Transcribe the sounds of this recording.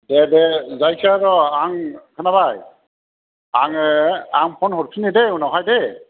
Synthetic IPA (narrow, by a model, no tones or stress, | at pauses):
dɛdɛzajsaɾɔaŋkʰanaβaj | aŋɛaŋpʰɔnhɔɹpʰinidɛunɔɦajdɛ